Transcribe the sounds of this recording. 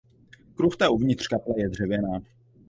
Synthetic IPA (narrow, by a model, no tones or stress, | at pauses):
kɾuxt̪ɛʔuvɲɪt̪r̥kaplɛjɛd̪r̝̥ɛvjɛnaː